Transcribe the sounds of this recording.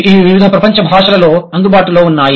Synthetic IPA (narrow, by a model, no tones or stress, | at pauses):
iːʋiʋid̪ʱɐpɾɐpɐɲt͡ʃɐbʱaːʂɐlɐloːɐnd̪ubaːʈuloːunːaːji